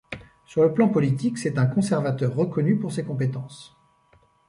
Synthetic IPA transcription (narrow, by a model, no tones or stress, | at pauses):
syʁləplɑ̃pɔlit̪iksɛt̪ɛ̃kɔ̃sɛʁvat̪œʁːəkɔnypuʁsekɔ̃pet̪ɑ̃s